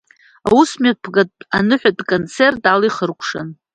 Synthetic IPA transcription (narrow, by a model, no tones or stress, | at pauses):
awusmapʰɡatanɨħʷᶣadkʼont͡sʰertaliχərkʷʰʂa̰n